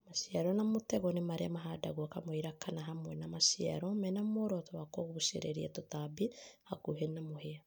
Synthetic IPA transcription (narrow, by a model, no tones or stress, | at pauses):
maʃiaɾɔnamotɛɣɔnemaɾeamaɦada̰ɣuakamohiɾakanaɦamwɛnamaʃia̰ɾɔmɛnamoɾɔtɔwakoɣuuʃḛɾḛɾia̰totabihakuɦenamohea